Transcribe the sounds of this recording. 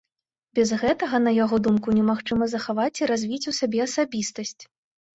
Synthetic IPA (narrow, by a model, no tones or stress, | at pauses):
bʲɛzɣɛt̪ɐɣɐnɐjaɣɔd̪umkunʲɛmaxt͡ʂɨmɐzɐxavat͡sʲiɾazʲvʲit͡sʲusʲabʲɛɐsabʲist̪ɐsʲt͡sʲ